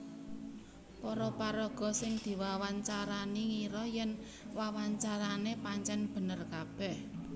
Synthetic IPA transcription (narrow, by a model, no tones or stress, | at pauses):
pɔɾɔpaɾɔɡ̥ɔ̤sɪŋd̪̥i̤wawaɲt͡ʃaɾaniŋiɾɔjɛn | wawaɲt͡ʃaɾanepaɲt͡ʃɛnb̥ə̤nərkab̥ɛh